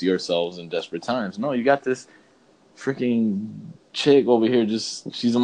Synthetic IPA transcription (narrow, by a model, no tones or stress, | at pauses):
iə˞sɛlˠvzɨ̃ndɛspɹɨtʰãɪ̃mznoʊjɨɡɑt̪̚ðɪs | fʰɹ̥ɪkɪ̃ŋt͡ʃʰɪk̚oʊlˠvəhiɹd͡ʒʌsʃizə̃m